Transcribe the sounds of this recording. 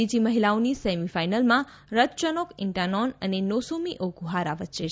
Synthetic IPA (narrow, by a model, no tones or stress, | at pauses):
id͡ʒiməɦilaonisemifainəlmã | ɾət̪t͡ʃənokɪɳʈanɔnənenosomiʔoɡuɦaɾaʋət̪ːʃe